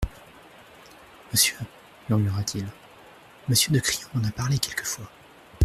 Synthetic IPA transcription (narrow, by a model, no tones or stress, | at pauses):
məsjø | myʁmyʁat̪ʰil | məsjød̪əkχijɔ̃ɑ̃napaʁlekʲɛlkə̥fwa